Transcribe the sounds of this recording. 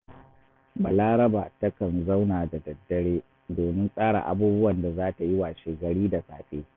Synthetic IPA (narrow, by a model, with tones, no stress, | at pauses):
ba˨laː˦ɾɐ˦baː˨tɐ˦kɐ˨nza˦wnaː˨da˨dɐ˨dːɐ˦ɽeː˦ | doː˨mɪ˦nsʼaː˦ɽa̰ː˨ʔa̰˨buː˦bʊ˦wɐ˨nda˨zaː˦ta˨jɪ˦wa˨ʃeː˨ɡɐ˨ɽiː˦da˨sa̰ː˨ɸeː˦